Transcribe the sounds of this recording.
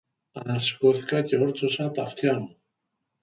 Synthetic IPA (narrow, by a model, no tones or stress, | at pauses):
ɐnɐsi̥ko̞θi̥kɐce̞o̞ɾt͡sosɐt̪ɐft̪çɐmu